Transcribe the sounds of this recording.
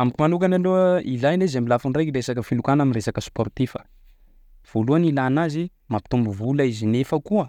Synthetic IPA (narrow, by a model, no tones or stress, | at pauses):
amikʲimanukanaloilajnezambilafiɳɖ͡ʐajkiresakəfilukanaminresakəsport̪ifə | v̥oluanilanazi | mapi̥t̪umbuvulaizinefəkuə